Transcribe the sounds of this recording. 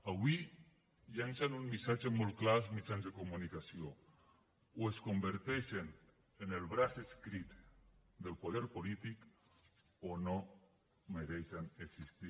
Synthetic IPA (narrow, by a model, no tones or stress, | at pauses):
awi | ʎansanunmisat͡ʃemolklasmit͡ʃanzðekomunikasjo | weskombeɾt̪eʃen | enelβɾaseskɾit̪d̪elpoðeɾpolit̪ik | ono | meɾesaneksist̪i